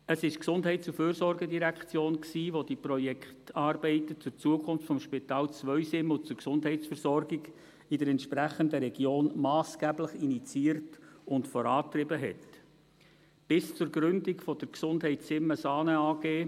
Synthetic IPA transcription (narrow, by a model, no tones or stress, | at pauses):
əsɪʃksʊndɦɛɪtt͡suføːɾsɔɾɡədiɾækχt͡sjoːnksiːʋodiprɔjɛktɑːɾbɛɪtət͡sʊɾt͡suəkʰʊnftfɔmʃpitɑːlt͡sʋœʏsɪmːəʊt͡sʊɾksʊndɦɛɪtt͡sfəɾzɔɾɡiɡ | idəɾɛntʃpræχəndəɾɛɡ̥joːnmɑːsɡ̥ɛːbləχinit͡siːəɾtʊntfɔɾɑːtrɪbəɦɛ̰t | b̥ɪst͡sʊɾɡɾʏndikfɔd̥əɾksʊndɦɛɪtsɪmːəsɑːnəɑːɡ̥eː